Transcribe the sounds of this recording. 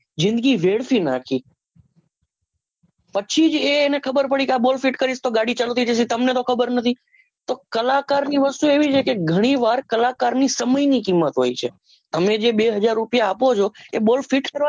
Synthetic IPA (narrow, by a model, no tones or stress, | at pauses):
zɪ̃nd̪ɡiʋeɽfina̰kʰi | pət͡ʃʰid͡ʒeːnekʰəbəɾpəɽikeabolfiʈkəɾiʃt̪oɡaɽit͡ʃalot̪ʰid͡ʒesit̪əmnet̪okʰəbəɾnət̪ʰi | t̪okəlakaɾniʋəst̪ueʋit͡ʃʰekeɡʱəɽ̃iʋaɾkəlakaɾnisəməjnikimːət̪ɦo̰it͡ʃʰḛ | t̪əmed͡ʒeɓeɦəd͡ʒaɾːupjaːpot͡ʃʰoebolfiʈkəɾa